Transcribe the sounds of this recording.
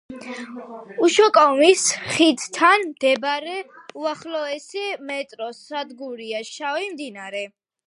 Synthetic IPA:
uʃɔkʼɔmisχid̪t̪ʰanmd̪̥ɛbaɾɛ | uaχlɔɛsimɛt̪ʼɾɔsad̪ɡuɾiaʃavimd̪inaɾɛ

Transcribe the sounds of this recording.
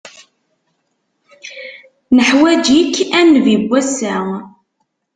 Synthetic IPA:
nəħwæd͡ʒikːænːvibʷːæsæ

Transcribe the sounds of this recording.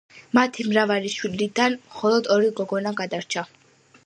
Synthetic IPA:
mat̪ʰimɾavaliʃwilid̪anmχɔlˠɔd̪ɔɾiɡɔɡɔnaɡad̪aɾt͡ʃʰa

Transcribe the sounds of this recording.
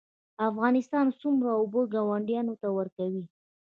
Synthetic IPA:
afɣɑnɪst̪ɑnsumɾaoboɡawaɳɖjɑnot̪awəɾkawi

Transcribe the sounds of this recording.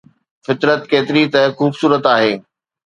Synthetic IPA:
fɪt̪ɾət̪keːt̪ɪɾit̪ɐxuːbsuːɾət̪aːɦeː

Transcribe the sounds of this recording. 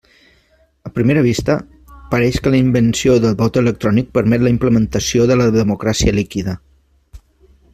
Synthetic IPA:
əpɾimeɾəβ̞ist̪ə | pəɾɛʃkələimbənsioðəlˠβɔt̪ələk̚t̪ɾɔnik̚pəɾmɛt̪ləimpləmənt̪əsioðələðəmukɾasiəlikiðə

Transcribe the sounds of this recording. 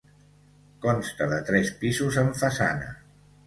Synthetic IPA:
kɔnst̪əðət̪ɾɛspizuzəɱfəsa̰nə̰

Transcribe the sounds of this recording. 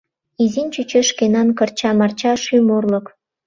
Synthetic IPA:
izinʲt͡ɕyt͡ɕeʃkenɑnkərt͡ɕɑmɑrt͡ɕɑʃymorlə̆k

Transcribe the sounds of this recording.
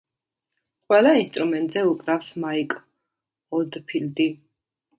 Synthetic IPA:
qʼwɛlˠainst̪ʼɾumɛnt̪ʼzɛukʼɾafsmaikʼ | ɔld̪pʰild̪i

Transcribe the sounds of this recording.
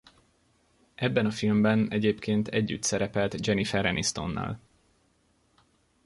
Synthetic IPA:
ʔɛbːɛnɒfilmbɛnɛɟeːpkʰeːnt̪ʰɛɟːy̰t̪sɛɾɛpɛlt̪d͡ʒɛnifɛɾɛnist̪o̞̰nːɒ̰ːl

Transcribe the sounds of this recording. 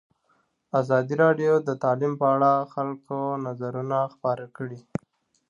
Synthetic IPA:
azɑd̪iɾɑɖjod̪ət̪ɑlimpəaɽaxalkonazaɾunaxpɑɾakəɽi

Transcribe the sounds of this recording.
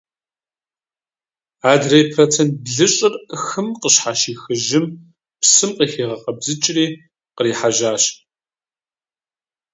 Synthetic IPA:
aːdrejpʰrot͡sʰent̚bɮɨɕʼɪrxɨmqəɕħaʃiːxɨʒɪm | psɨmqiːxeːʁɐqʼɐbzɨt͡ʃʼriː | qəɾiːħaʒaːɕ

